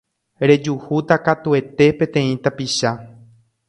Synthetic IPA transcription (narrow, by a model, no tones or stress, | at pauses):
ɾe̞d͡ʒuhut̪akat̪ue̞t̪e̞pẽ̞t̪ẽ̞ĩt̪apiʃa